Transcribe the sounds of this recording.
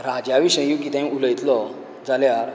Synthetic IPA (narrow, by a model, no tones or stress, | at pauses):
ɾad͡ʑjaʋiɕə̃jjũk̬it̪ãj̃uləjt̪lɔ | d͡zaljaɾ